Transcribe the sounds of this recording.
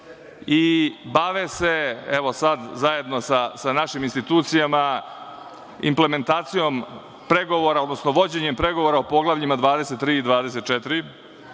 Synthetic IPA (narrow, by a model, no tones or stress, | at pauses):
ibaʋese̞eʋo̞sad̪zaje̞d̪no̞sasanaʃiminst̪it̪uːt̪sijama | ḭmple̞me̞nt̪aːt̪sijo̞m | pɾeɡo̞ʋoɾaod̪nosnoʋo̞d͡ʑe̞ɲempɾeɡo̞ʋoɾaopo̞ɡlˠaʋʎimad̪ʋaːd̪e̞set̪ːɾiːd̪ʋaːd̪eset̪̚t͡ʃɛt̪iɾi